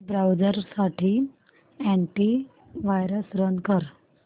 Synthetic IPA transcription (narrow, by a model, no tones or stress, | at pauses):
bɾawd͡zəɾsaʈʰiː | ɛ̃ɳʈi | ʋajɾəsɾənkəɾ